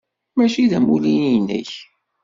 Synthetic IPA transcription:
mæʃiðæmulininːə̰ç

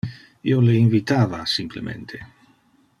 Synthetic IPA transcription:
ioleinvit̪aːvasimplemʔḛnt̪ʰe

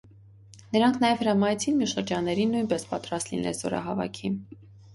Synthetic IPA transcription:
nəɾɑŋkʰnɑjɛvhəɾɑmɑjt͡sʰinmjuʃəɾd͡ʒɑnːɛɾinːujnpɛspɑt̪ɾɑst̪lḭnɛ̰lzɔ̰ɾɑ̰ɦɑvɑ̰kʰin

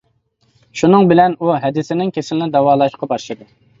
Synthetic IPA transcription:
ʃunɨŋbɪlɛnuɦɛd̪ɪsɪnɪŋkʲʰesɪlɪnɪd̪ɑwɑːlˠɑʃlqʰɑbɑɾʃɨd̪u

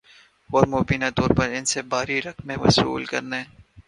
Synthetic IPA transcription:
ɔːɾmoːbiːnat̪ɔːɾpɐɾɪnsebaːɾiɾɐkmẽʋɐ̰sṵːlkɐɾne

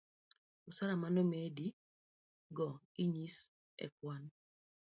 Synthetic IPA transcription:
usaɾamanomedi | ɡɔ | iɲis | ɛ̰kwan

